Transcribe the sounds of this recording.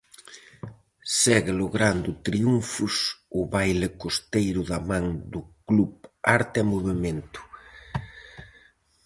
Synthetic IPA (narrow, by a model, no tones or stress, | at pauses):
sɛɣɪloɣɾand̪ʊt̪ɾiuɱfʊsʊβajlɪkost̪ejɾʊðamãŋd̪ʊklupaɾt̪ɛmoβement̪ʊ̥